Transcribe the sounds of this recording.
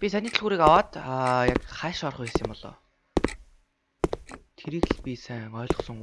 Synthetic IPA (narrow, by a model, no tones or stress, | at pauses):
pʲisæniːt̪̆ʰɮɣuːɾiːkawaːt̪ːjakχæːʃɔrχuxesĭmpɔɮɔ̰ː | t̪ʰeɾiːɣɮpʲisæŋɔːɮɞ̆χsɞ̆ŋ